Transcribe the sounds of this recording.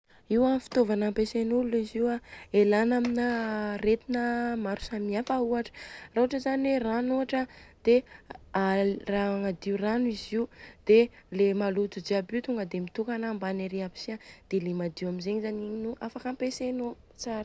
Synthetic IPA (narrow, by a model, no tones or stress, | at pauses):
iwafi̥t̪ovanampesenululiziwaelanaminəret̪inəmaɾu̥samiafauaʈ͡ʂə̥rauaʈ͡ʂəzanweranuaʈ͡ʂəd̪̥earaŋad̪iuraniziud̪̥elemalut̪ud͡ʒiabit̪uŋɡəd̪emit̪ukanambaneɾiabi̥siad̪̥elemad̪iuamizeɲizaniɲinuʔafakampeseno | t͡saɾ